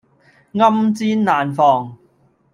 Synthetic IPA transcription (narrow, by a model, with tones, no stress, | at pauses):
ŋɐ˥mt͡siː˥nːaː˨nfɔː˨˩ŋ